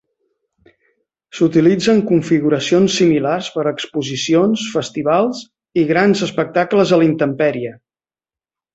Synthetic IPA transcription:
sut̪ilid͡zəŋkuɱfiɣuɾəsionsːimilarspəɾəkspuzisionsfəst̪iβ̞alˠz | iɣɾanzəspək̚t̪akləzəlint̪əmpɛɾiə

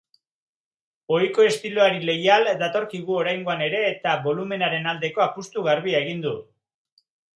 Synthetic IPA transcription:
o̞jko̞e̞st̪iloaɾile̞jald̪at̪o̞ɾkiɣ̞uo̞ɾajŋɡo̞ane̞ɾe̞ːt̪aβo̞lume̞naɾe̞nald̪e̞ko̞apust̪uɣaɾβiaeɣ̞ind̪u

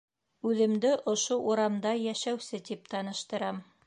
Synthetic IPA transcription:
ʉðɘ̆md̪ɘʔŏʃoʔuɾɑmd̪ɑjæʃæwsɘt̪ip̚t̪ɑnɤ̆ʃt̪ɤ̆ɾɑm

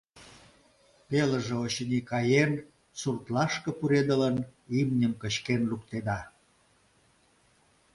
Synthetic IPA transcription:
pelə̆ʒĕot͡ɕənʲikɑjen | surt̪lɑʃkɤ̆puɾed̪ələnimnʲəmkə̆ɕkenluk̚t̪ed̪ɑ

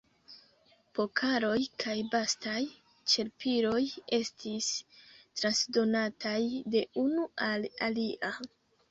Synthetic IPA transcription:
po̞kʰaɾo̞jkʰajbastaj | t͡ʃe̞ɾpiɾo̞je̞stistɾansdo̞natajde̞ʔunualaliʔa

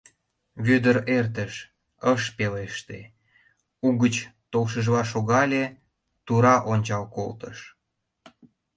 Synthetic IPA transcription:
βød̪əɾert̪əʃ | əʃpeleʃt̪ḛ | uɣət͡ɕt̪olʃ̬əʒβɑʃoɣɑlʲe | t̪uɾɑʔonʲt͡ɕɑlko̰lt̪ə̰ʃ

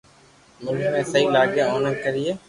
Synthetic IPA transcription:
mʊnmẽːsəɦiːlaːɡẽːoːnə̃kəɾiːeː

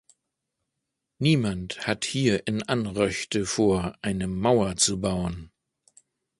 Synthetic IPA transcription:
niːmanthathiːɐʔɪnʔanʁœçtəfoːɐʔaɪnəmaʊɐt͡subaʊən

